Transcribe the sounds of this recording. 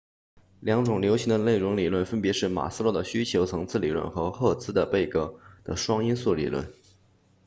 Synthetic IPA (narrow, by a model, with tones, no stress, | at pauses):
ljɑ˧˥ŋʈ͡ʂʊ˨˩ŋljo˧˥ʊɕi˧˥ŋd̪ə˧ne˥˩ɪɻʊ˧˥ŋli˨˩lwə˥˩nfə˥npjʂɻ̩˥˩ma̰˨˩sɹ̩˥lwɔ˥˩d̪ə˩ɕy˥t͡ɕʰjo˧˥ʊt͡sʰɤ˧˥ŋt͡sʰɹ̩˥˩lḭ˨˩lwə̰˥˩nxɤ˧˥xɤ˥˩t͡sɹ̩˥d̪ə˨pe˥˩ɪkɤ˧˥d̪̥ə̰˨ʂwɑ˥ŋi˥nsu˥˩lḭ˨˩lwə̰˥˩n